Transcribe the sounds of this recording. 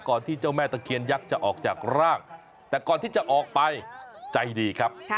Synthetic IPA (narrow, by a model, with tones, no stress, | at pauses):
kɔː˨˩nt̪ʰiː˥˩t͡ɕa˥˩wmɛː˥˩t̪a˧kʰi˧ənja˦˥k̚t͡ɕa˨˩ʔɔː˨˩k̚t͡ɕaː˨˩k̚ɾaː˥˩ŋ | t̪ɛː˨˩kɔː˨˩nt̪ʰiː˥˩t͡ɕa˨ʔɔː˨˩k̚pa˧jt͡ɕa˧jdiː˧kʰa˦˥p̚